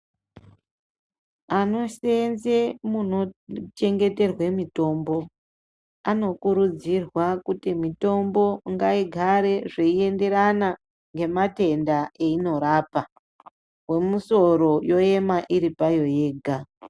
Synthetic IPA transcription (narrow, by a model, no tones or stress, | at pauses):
ano̞senzemunot͡ʃe̞ŋɡe̞te̞rwe̞mito̞ːmbo̞ | ano̞kuɾud͡zirwakutimito̞mbo̞ŋɡaiɡʱaɾe̞ʐeie̞nde̞ɾana | ŋɡe̞mate̞ndaeino̞ɾaːpa | we̞muso̞ɾo̞jo̞e̞maʔiɾipajo̞je̞ːɡʱa